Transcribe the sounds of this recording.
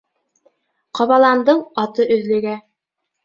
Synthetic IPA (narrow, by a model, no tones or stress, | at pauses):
qɑβɑlˠɑnd̪ɤɴɑt̪ɤʔɵ̆ðlɘ̆ɡæ